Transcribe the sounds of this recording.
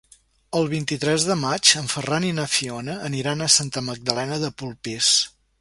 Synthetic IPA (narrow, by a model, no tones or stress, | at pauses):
əlˠβint̪it̪ɾɛzðəmat͡ʃəɱfəraninəfionəːniɾanəsant̪əməɡ̚d̪əlɛnəðəpulˠpis